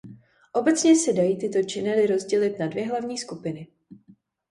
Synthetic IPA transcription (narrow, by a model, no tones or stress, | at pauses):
ʔo̞bɛt͡sɲɛsɛdajiːt̪ɪt̪o̞t͡ʃɪnɛlɪɾo̞zɟɛlɪt̪nadvjɛɦlavɲiːskupɪnɪ